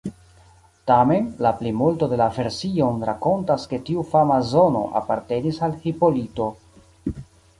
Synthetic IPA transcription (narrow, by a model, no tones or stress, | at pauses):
tame̞nlaplimulto̞de̞lave̞ɾsio̞nɾako̞ntaske̞tiufamazo̞no̞̰ʔa̰pa̰ɾte̞nisalhipolito̞